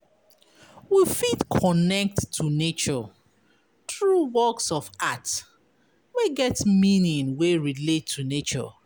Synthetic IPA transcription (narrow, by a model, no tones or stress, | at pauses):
wifitkʰɔnɛk̚tʰːunet͡ʃɔ | θɹuwɔksɔfat | meɡɛtmĩnĩnweɹiletʰːunet͡ʃɔ̰